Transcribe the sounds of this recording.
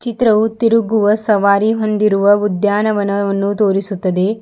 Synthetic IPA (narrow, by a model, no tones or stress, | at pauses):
t͡ʃit̪ɾɐʋut̪iɾuɡuʋɐsɐʋaːɾiɦond̪iɾuʋɐʋud̪jaːnɐʋɐnɐʋɐnːut̪oːɾisut̪ːɐd̪e